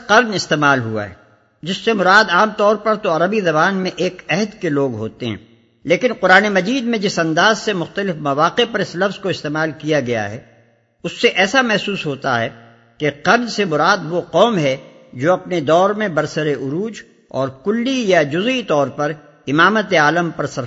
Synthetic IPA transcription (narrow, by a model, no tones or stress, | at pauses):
qɐɾnɪst̪eːmaːlɦua̰ɦɛ̰ | d͡ʒɪsːemʊɾaːd̪aːmt̪ɔːɾpɐɾt̪oɐɾəbizɐbaːnmẽʔeːkɛɦd̪keloːɡɦo̰ːt̪eɦɛ̰̃ː | leːkɪnqʊɾaːnemɐd͡ʒiːd̪mẽd͡ʒɪsɐ̃nd̪aːzsemʊxt̪əlɪfmɐʋaːqepɐɾɪslɐfz̥koɪst̪eːmaːlkijaɡɐja̰ɦɛ̰ː | ʊsːeʔɛːsamɛɦsuːsɦoːt̪a̰ɦɛ | keqɐɾd͡ʒsemʊɾaːd̪ʋoqɔːmɦɛ | d͡ʒoːɐpned̪ɔːɾmẽbɐɾsəɾeʔʊɾuːd͡ʒ | ɔ̰ːɾkʊlːijad͡ʒʊzit̪ɔːɾpɐɾ | ɪmaːmət̪eaːləmpɐɾsɐɾ